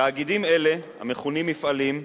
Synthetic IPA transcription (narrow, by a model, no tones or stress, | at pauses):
aaɡid̪ime̞le̞ha̰meχunimːifʔalim